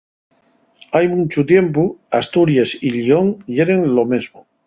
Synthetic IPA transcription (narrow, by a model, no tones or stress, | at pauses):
ajmũnt͡ʃut̪je̞mpuast̪uɾjesiʎioŋʎeɾeŋlomezmo